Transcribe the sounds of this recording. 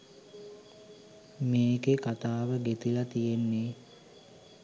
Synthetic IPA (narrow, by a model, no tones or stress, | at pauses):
meːɡekat̪aːʋəɡet̪ilat̪ijenːe